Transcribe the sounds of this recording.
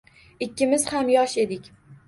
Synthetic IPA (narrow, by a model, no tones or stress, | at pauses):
ɪkʲːɪmɪzhamjɒʃe̞d̪ɪkʲ